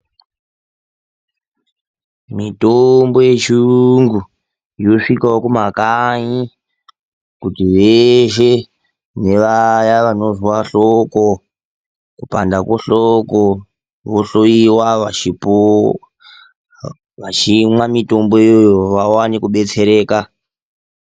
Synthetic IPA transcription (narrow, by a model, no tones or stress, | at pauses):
mitombo̞je̞t͡ʃuŋɡu | ijoʂikaokumakaɲi | kutiʋeʃe̞ | ne̞ʋajaʋano̞zwaɬoko | kupa̰ndakoɬoko | ʋoɬoiwaʋaipo | ʋat͡ʃimwamito̞mbo̞eojjoʋawanikuɓe̞t͡se̞ɾe̞ːka